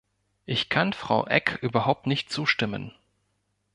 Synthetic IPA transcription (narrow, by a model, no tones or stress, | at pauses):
ʔɪçkʰanfʁ̥a̰ʊʔɛ̰kʔyːbɐɦaʊp̚tnɪçt̚t͡suːʃtɪmə̰n